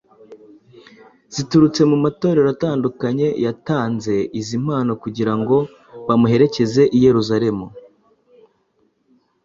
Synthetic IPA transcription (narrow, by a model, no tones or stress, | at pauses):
z̥ituɾut͡se̞mumato̞ːɾeɾataːndukaɲe̞jataːnze̞izim̥haːnokuɟiɾaŋɡo̞ | βamuɦe̞ɾe̞ce̞ze̞ʔije̞ɾuzaɾe̞mu